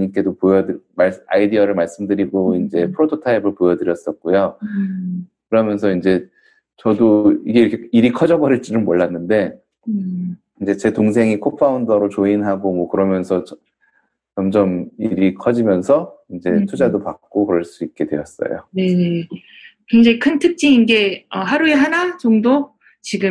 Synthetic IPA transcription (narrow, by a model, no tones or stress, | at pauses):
ɲik͈e̞dopojʌdɯmaaidiʌɾɯɭmaɭs͈ɯmdɯɾiɡoind͡ʑe̞pʰɯɾotʰotʰaibɯɭpojʌdɯɾjʌs͈ʌt̚k͈ujo | kɯɾʌmjʌnsʰʌind͡ʑe̞ | t͡ɕʌdoiɡe̞iɾʌkʰe̞iɾikʰʌd͡ʑʌbʌɾiɭt͡ɕ͈inɯnmoɭːanːɯnde̞ | ind͡ʑe̞t͡ɕe̞toŋs̬ʰe̞ŋikʰopʰaundʌɾot͡ɕoinɦaɡomwʌkɯɾʌmjʌnsʰʌʌ | t͡ɕʌmd͡ʑʌmiɾikʰʌd͡ʑimjʌnsʰʌind͡ʑe̞tʰud͡ʑadopak̚k͈okɯɾʌɭs͈uik̚k͈e̞dwe̞ʌs͈ʌ̰jo̰ne̞e | keŋd͡ʑaŋikʰɯntʰɯk̚t͡ɕ͈iinɡe̞ʌɦaɾueɦanat͡ɕoŋdo | t͡ɕiɡɯ